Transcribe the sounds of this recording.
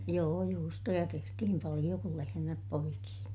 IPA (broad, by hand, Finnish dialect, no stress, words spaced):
joː juːstojɑ tehtihim pɑlij̆o kul lehemæp poikiː